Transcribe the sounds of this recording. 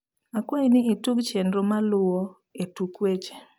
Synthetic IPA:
akwoinɪituɡt͡ʃendɾomalʊwo | etukwet͡ʃe̥

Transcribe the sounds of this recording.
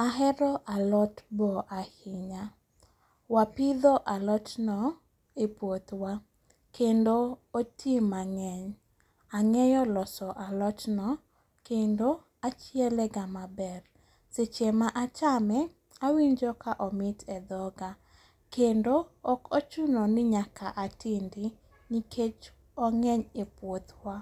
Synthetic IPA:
aɦɛɾɔʔalɔtbɔʔahɪɲa | wapɪd̪oʔalɔtnɔ | epwot̪wa | kendootʰimaŋɛɲ | aŋɛjɔlɔsɔʔalɔtnɔ | kendo | at͡ʃiɛlɛɡamabɛr | set͡ʃemaʔat͡ʃamɛ | awiɲd͡ʒɔkʰaʔɔmɪtʰɛd̪ɔɡa | kendoːkot͡ʃunɔnɪɲakaʔatɪndɪ | niket͡ʃ | ɔŋɛɲepwot̪wa

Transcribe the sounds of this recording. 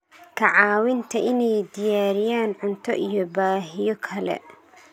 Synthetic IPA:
kʰɐʕɑːwɪnt̪ʰɐʔɪnɛjd̪ɪjaːɾɪjaːnʕʊnt̪ʰɔʔijɔbaːɦɪjɔkʰɐlɛ̰

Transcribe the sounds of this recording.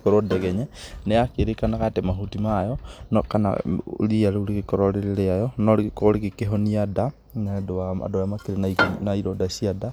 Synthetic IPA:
kɔɾɔdɛɣɛɲɛnɛakeɾekanakatɛmaɦutimajɔnɔkana̰liaɾeuɾikekɔɾɔɾeɾeɾeajɔnɔɾkoɾekekeɦɔniada | nadoaa̰dojamakeɾenanaiɾɔdasiada

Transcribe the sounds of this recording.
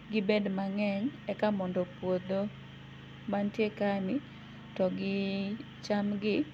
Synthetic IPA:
ɡɪbedmaŋɛɲɛkamɔndɔpwod̪o | mantjekanɪ | tɔɡɪ | t͡ʃamɡɪ

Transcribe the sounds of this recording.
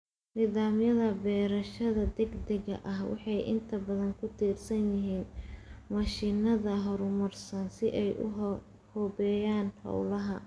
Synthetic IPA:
niːðaːmjɐðɐbɛːɾɐʃɐðɐd̪ɛɡd̪ɛɣɐ̰ʔɐɦwɑ̰ħɑjʔɪ̰nt̪ʰɐbɐðɐŋkʰʊt̪ʰiːrsɐnjɪɦiːnmɐʃiːnɐðɐɦɔɾʊmɐrsɐnsɪʔɛjʊ̰ | hɔːbɛːjaːnhɐ̰wlɐɦɐ

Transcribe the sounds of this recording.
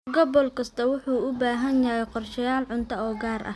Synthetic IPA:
ɡɔbɔlkʰɐst̪ʰɐwʊħuːʊbaːɦɐnjɐjɛjqɔrʃɐjaːlʕʊnt̪ʰɐɔːɡaːrʔɐ̰

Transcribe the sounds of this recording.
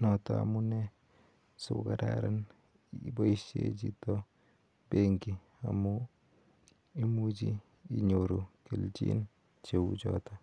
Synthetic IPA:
nɔtaa̰munɛ | sukadaɾan | iboised͡ʒitɔ | beŋɡi | amu | imud͡ʒi | iɲoɾokelt͡ʃḭn | t͡ʃewud͡ʒɔ̰ta

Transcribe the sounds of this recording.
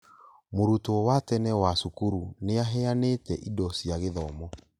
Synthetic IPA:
moɾutoɔwatɛnɛwasukuɾuneaɦɛanetɛʔidɔsiaɣeðɔmɔ

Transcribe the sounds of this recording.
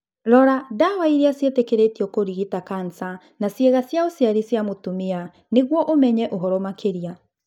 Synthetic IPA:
ɾɔɾadawaiɾeasjetekeɾetiɔkoɾiɣitakansa | nasjeɣasjaosjaɾisjamotumea | neɣwɔʔomɛɲɛʔoɦɔɾɔmakeɾia

